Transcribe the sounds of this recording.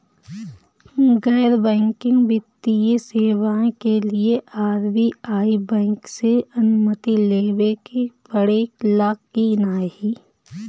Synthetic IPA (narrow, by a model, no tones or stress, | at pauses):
ɡɛːɾbɛ̃ːŋkɪ̃ŋɡbɪt̪ːijeseːʋãːkelieʔaːɾbiaːibɛ̃ːŋkseɐnʊmət̪ileːʋekebəɽeːklaːkːinaːɦiː